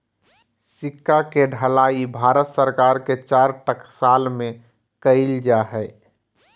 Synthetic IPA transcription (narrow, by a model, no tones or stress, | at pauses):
sɪkːakeɖʱəlaːibʱaːɾət̪səɾkaːɾket͡ʃaːɾʈəksaːlmẽ | kəɪld͡ʒaɦɛɪ